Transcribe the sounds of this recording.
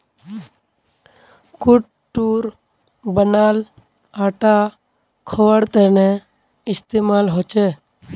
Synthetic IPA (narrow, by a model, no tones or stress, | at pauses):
kʊʈ | ʈuːɾ | bənaːl | aːʈa | kʰowəɽt̪əne | ɪst̪eːmaːlɦoːt͡ʃeː